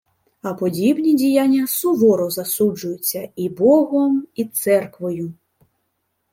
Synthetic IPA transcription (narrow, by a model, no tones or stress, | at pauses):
ɐpɔd͡zʲibnʲid͡zʲijanʲːɐsɔʋɔɾɔzɐsud͡ʐʊjʊt͡sʲːɐibɔɣɔmit̪sɛrkʋɔju